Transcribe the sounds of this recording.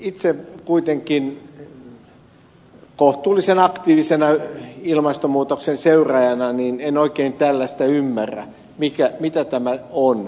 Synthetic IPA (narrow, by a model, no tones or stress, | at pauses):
it̪sekuit̪eŋkin | koht̪uːlːˑisenɑkt̪iːʋisenɑilmɑst̪omuːt̪oksenseyrɑjɑnɑninenoikeint̪ælːæst̪æymːærːæ̰ | mikæmit̪æt̪æmæon